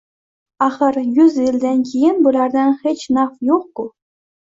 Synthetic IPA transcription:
ɑχɤ̆rjyzilʲd̪ʲɘnʲkʲijenʲbuɾʲɑrd̪ɑnχʲɘ̆t͡ɕnɑfjuχku

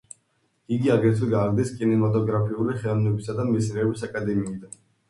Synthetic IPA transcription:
iɡiaɡɾɛt̪ʰɛɡaːɡd̪ɛskʼinɛmat̪ʼɔɡɾapʰiuliχɛlˠamnɛbisad̪amisnɛːbisakʼad̪ɛmiːd̪an

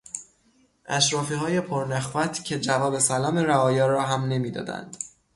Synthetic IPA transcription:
ʔæʃɾɒːfiːɦɒːje̞pʰoɾnæxvæt̪ʰcʰe̞d͡ʒævɒːbe̞sælɒːmeɾæɒːjɒːɾɒːɦæmne̞miːd̪ɒ̰ːd̪æ̰nd̪̥

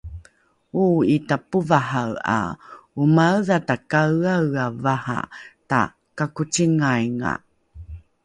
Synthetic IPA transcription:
uitapuvahawa̰umawðatakawawavaha̰ta̰ | kakutiŋajŋa̰

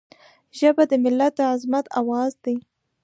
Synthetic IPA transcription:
ʒəbad̪əmɪlːat̪̚d̪əʕazmat̪awɑzd̪i

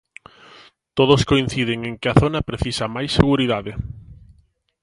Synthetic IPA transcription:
t̪oð̞oskoin̟θiðɪŋeŋkɪɐθonɐpɾeθisɐmajsːeɣuɾiðaðɪ

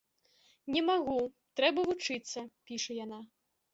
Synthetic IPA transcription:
nʲɛmaɣu | t̪ɾɛbɐvut͡ʂɨt̪sːɐpʲiʂɐjana

